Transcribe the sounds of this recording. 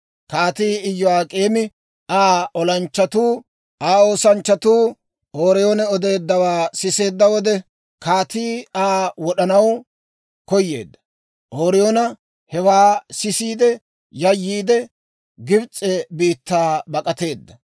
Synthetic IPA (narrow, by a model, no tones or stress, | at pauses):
kaːt̪iːɪjːɔwaːkʼeːmɪ | aːɔlɐnt͡ʃːɐt̪uː | aːo̞ːsɐnt͡ʃːɐt̪uː | oːɾɛjoːnɛɔd̪e̞ːd̪ːɐwaːsɪse̞ːd̪ːɐwɔd̪ɛ | kaːt̪iːaːwɔɗɐnɐw | kɔjːe̞̰ːd̪ːɐ̥ | ʔoːɾɛjoːnɐ | hɛwaːsɪsiːd̪ɛ | jɐjːiːd̪ɛ | ɡɪbt͡sʼːɛbiːt̪ːaːbɐkʼɐt̪e̞ːd̪ːɐ